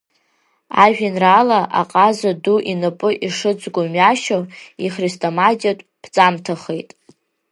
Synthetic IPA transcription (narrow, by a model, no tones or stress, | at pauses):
a̰ʒᶣinralaʔa̰qʼazaduʔinɨpʼɨʔiʂɨd͡zʼɡʷʊmɥaʃoiχristʼomadiatʷʼb̥ʰt͡sʼamtʰaχejtʼ